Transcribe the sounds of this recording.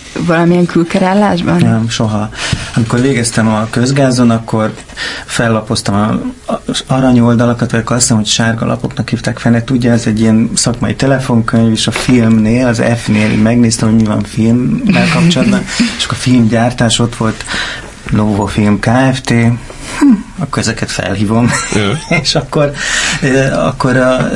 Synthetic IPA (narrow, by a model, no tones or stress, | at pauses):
vɒlɒmijɛŋkylkɛɾaːlːaːʒbɒnnɛmʃo̞ɦɒɒmiko̞rʋeːɡɛst̪ɛmɒkøzɡaːzonɒkːo̞r | fɛlːɒpo̞st̪ɒmɒ | ɒɾɒɲo̞ld̪ɒlɒkɒt̪ʋɒɟjɒkːɾɒst̪ɛmho̞cʃaːrɡɒ̰lɒ̰po̞̰knɒkhiːft̪aːkfɛlnːɛt̪uɟːɒɛzɛɟːijɛnsɒkmɒjit̪ɛlɛfo̞ŋkøɲveːʃɒfilmneːlɒzɛ̰fneːlḭmɛɡneːst̪ɛmoɟmivɒ̰ɱfilmːɛlkɒp̚t͡ʃolɒd̪bɒne̥ʃɒkːorfilmɟaːrt̪aːʃo̞t̪ʋo̞lt̪ | noːvofilmkaːɛft̪eː | ɒkːoɾɛzɛkɛt̪fɛ̰lɦiːvo̞meʃɒkːor | ɒ̰kːo̞ɾɒ